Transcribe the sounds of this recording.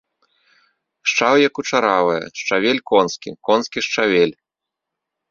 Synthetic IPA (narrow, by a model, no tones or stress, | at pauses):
ʂt͡ʂawjɐkut͡ʂaɾavɐjɐ̰ʂt͡ʂavʲelʲkɔnskʲḭkɔnskʲiʂt͡ʂavʲelʲ